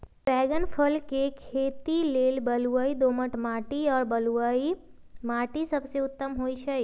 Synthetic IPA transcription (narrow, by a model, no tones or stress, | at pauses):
pɛːɡənpʰəlkekʰeːt̪ileːlbəluaːid̪oːməʈmaːʈiɔːɾbəluaːi | maːʈisɐbseʊt̪ːəmɦoːit͡ʃʰə